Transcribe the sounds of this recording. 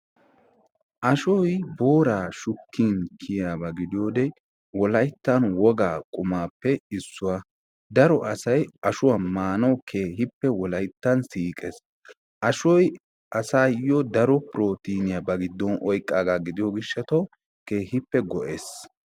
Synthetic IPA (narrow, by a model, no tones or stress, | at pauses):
ʔɐʃɔjbo̞ːɾaːʃʊkːiːnkʰɪjabɐɡɪd̪ɪjoːd̪ɛ | wɔlɐjt̪ːɐnwɔɡaːkʼʊmaːpːɛɪsːʊwa | d̪ɐɾɔʔɐsɐjɐʃʊwamaːnɐwkʰeːɦɪpːɛwɔlɐjt̪ːɐnsiːkʼɛs | ʔɐʃɔj | ɐsaːjɔd̪ɐɾɔpɾo̞ːt̪iːnɪjabɐɡɪd̪ːɔnʔɔjkʼːaːɡaːɡɪd̪ɪjɔɡɪʃːɐt̪ɔw | ke̞ːhɪpːɛɡɔʔeːs